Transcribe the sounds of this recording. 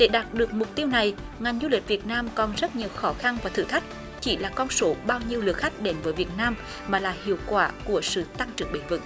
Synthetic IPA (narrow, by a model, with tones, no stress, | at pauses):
ɗe˧˩ɗaː˨˩t̚ɗɨ˨˩ək̚mʊ˨˩k͡p̚t̪i˧əwna˨˩j | ŋa˨˩jŋ̟zu˧li˨˩k̟̚vi˨˩ət̚naː˧mkɔ˨˩nzə˦˥t̚ɲi˨˩əwxɔ˨˦xa˧nvaː˨˩t̪ʰɨ̰˧˩t̪ʰa˦˥jk̟̚ | t͡ɕi˧˦laː˨˩kɔ˧nso˨˦ɓaː˧wɲi˧əwlɨ˨˩ək̚xa˦˥jk̟̚ɗe˨˦nvəː˨˦jvi˨˩ət̚naː˧m | maː˨˩laː˨˩hḭ˧˨əwkwaː˧˩ku˧˩əsɨ̰˧˨t̪a˧ŋt͡ɕɨ˨˩əŋɓe˨˦nvɨ̰˧˩ŋ̚